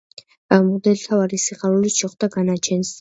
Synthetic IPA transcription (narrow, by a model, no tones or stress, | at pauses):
amud̪ɛlt̪ʰavaɾisiχaɾuliʃɛχd̪̥aɡanat͡ʃʰɛns